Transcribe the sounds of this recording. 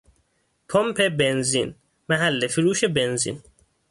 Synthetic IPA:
pʰompʰebenzḭn | mæɦælːefiɾuːʃebenzḭn

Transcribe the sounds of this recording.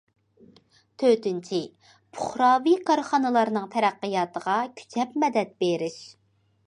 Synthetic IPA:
t̪ʰøt̪ynt͡ʃʰi | pʰʊχɾɑːvikʰɑɾχɑnɨlˠɑɾnɨŋt̪ʰɛɾæqːəjɑːt̪əʁɑkʲʰy̥t͡ʃʰɛpmɛd̪ɛt̪̚beɾɪʃ

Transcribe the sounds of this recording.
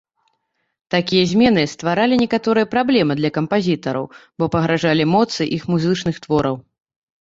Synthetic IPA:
t̪akʲijɐzʲmʲɛnɨst̪vaɾalʲinʲɛkat̪ɔɾɨjɐpɾablʲɛmɨd̪lʲɐkɐmpazʲit̪ɐɾɐ̰wbɔpɐɣɾaʐalʲimɔt̪sɨʔixmuzɨt͡ʂnɨxt̪vɔɾɐw

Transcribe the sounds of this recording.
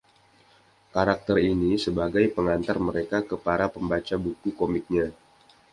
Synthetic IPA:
kaɾak̚t̪ərinisəbaɡajpəŋant̪arməɾekakəpaɾapəmbat͡ʃabukukomɪk̚ɲa

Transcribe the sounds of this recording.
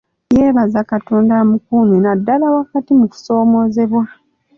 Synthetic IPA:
jeːβazakatoːndamukunenadːalawakatimuku̥so̞ːmo̞ːze̞βwa

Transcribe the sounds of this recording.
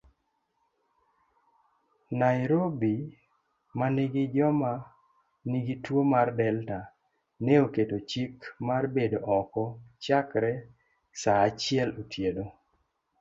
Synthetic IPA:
najɾobi | maniɡid͡ʒɔma | niɡitwomardɛlta | neoketot͡ʃikmarbedoʔɔkɔt͡ʃakɾɛ | saːt͡ʃɪɛlotʰjedo

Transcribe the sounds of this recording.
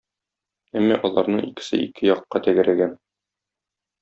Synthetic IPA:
æmːæʔɒlˠɑɾnɤɴikɘ̥̆sɘikʰɘjɒqːɑt̪æɡɘ̆ɾæɡæn

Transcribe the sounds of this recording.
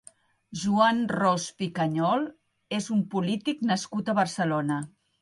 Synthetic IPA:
ʒuanrɔspikəɲɔlˠ | ezumpulit̪iknəskut̪əβərsəlonə

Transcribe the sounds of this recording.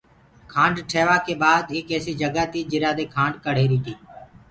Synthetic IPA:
kʰãːɳɖʈʰeːʋaːkeːbaːd̪ɪːkeːsiːd͡ʒəɡaːt̪iːd͡ʒɪɾaːd̪eːkʰãːɳɖkəɽ̤eːɾiːt̪iː

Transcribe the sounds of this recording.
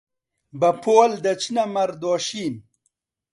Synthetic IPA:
bɐpʰoːld̪ɐt͡ɕinamɐɾd̪oːɕiːn

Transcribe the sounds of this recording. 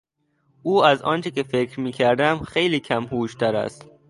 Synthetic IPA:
ʔuːæzɒ̰ːnt͡ʃʰekefekʰɾmiːkʰæɾd̪æmxejliːkʰæmhuːʃt̪ʰæɾæ̰st̪

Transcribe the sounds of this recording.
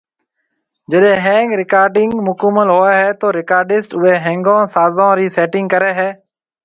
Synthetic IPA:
d͡ʒəɗẽːɦẽːŋɡɾɪkaːɾɖɪŋɡmʊkəməlɦoːeːɦɛːt̪oːɾɪkaːɾɖɪsʈʊeːɦɛ̃ːŋɡãːsaːzãːɾiːseːʈɪ̃ŋɡ̚kəɾeːɦɛː

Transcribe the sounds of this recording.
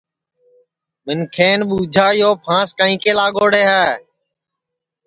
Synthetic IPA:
ɓɪnkʰeːnɓuːd͡ʒʱaːjoːpʰãːskaːĩːkeːlaːɠoːɽeːɦɛː

